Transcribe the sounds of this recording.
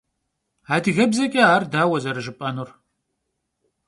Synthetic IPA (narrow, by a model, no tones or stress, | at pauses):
aːdɨɣɐbzɐkʼɐaːrdaːwɐzɐɾɨʒɨpʼɐnur